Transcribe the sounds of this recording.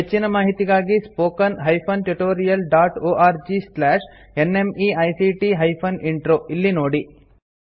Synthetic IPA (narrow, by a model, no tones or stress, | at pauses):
ɦet͡ʃːinɐmaːɦit̪iɡaːɡispoːkɐnɦɐjpʰɐnʈuʈoːɾijɐlɖaːʈoːʔaːɾd͡ʒislaːʂ | enemiɐjsiʈiɦɐjpʰɐniɳʈɾoːilːinoːɽi